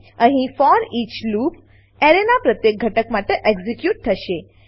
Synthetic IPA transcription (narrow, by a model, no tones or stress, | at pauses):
ə̃ɦĩfɔɾiːt͡ʃlup | eɾenapɾət̪jek̚ɡʱəʈəkmaʈeʔeɡzikjuʈ̚t̪ʰəʃe